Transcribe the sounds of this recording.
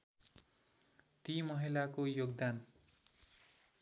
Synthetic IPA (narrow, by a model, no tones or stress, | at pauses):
t̪imʌɦilakojoɡd̪an